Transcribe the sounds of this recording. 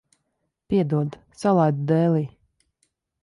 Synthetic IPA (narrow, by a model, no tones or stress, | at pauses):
pʲiɛd̪uɔd̪ | salˠajd̪d̪ɛːliː